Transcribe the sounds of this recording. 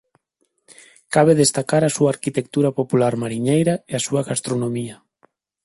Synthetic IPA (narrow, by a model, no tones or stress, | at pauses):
kaβeðest̪akaɾasuaːɾkit̪ek̚t̪uɾapopulaɾmaɾiɲejɾaeasuɐɣast̪ɾonomiɐ